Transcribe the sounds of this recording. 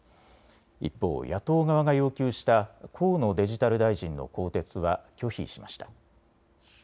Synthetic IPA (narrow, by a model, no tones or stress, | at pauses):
ḭpːo̞̰ːjat̪o̞ːɡaβ̞aɡajo̞ːkʲɨːɕi̥t̪akʰo̞ːno̞d̪e̞ʑit̪aɾɯ̟d̪aiʑĩnːo̞̰ko̞ːt̪e̞t͡sɨβakʲo̞çḭɕima̰ɕi̥t̪ḁ